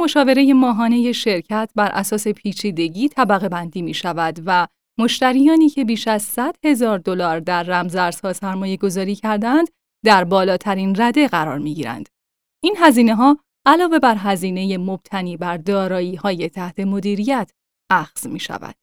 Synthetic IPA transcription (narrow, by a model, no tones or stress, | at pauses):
mo̞ʃɒːve̞ɾe̞je̞mɒːɦɒːne̞je̞ʃe̞ɾcʰæt̪ʰbæɾʔæsɒːse̞pʰiːt͡ʃʰiːd̪e̞ɟiːt̪ʰæbæɣe̞bænd̪iːmiːʃævæd̪væ | moʃt̪æɾijɒːniːcʰe̞biːʃæzsæd̪̥he̞zɒːɾd̪o̞lɒːɾd̪æɾːæmzæɾz̥hɒːsæɾmɒːje̞ɡo̞zɒːɾiːcʰæɾd̪æænd̪̥ | d̪æɾbɒːlɒːt̪ʰæɾiːnræd̪e̞ɣæɾɒ̰ːɾmiɟiːɾæ̰nd̪̥ | ʔiːnɦæziːne̞ɦɒː | ælɒːve̞bæɾɦæziːne̞je̞mo̞b̥t̪ʰæniːbæɾd̪ɒːɾɒːjiːhɒːje̞t̪ʰæht̪ʰe̞mo̞d̪iːɾijæt̪ʰ | ʔæxz̥mḭːʃæ̰væ̰d̪̥